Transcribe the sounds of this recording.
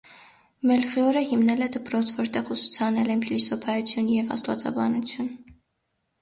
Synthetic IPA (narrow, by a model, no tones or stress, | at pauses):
mɛlχiɔɾəhimnɛlɛd̪əpɾɔt͡sʰvɔɾt̪ɛʁusu̥t͡sʰɑnɛlɛmpʰilisɔpʰɑjut͡sʰjunjɛvɑ̰st̪vɑ̰t͡sɑ̰bɑnut͡sʰjun